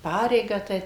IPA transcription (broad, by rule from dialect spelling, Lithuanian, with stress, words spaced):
ˈpɑːrʲɛɪɡɑː tɐɪ